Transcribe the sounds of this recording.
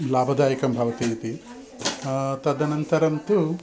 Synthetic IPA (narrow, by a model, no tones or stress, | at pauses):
laːbʱɐd̪aːjɐkɐmbʱɐʋɐt̪it̪i | t̪ɐd̪ɐnɐnt̪ɐɾɐnt̪u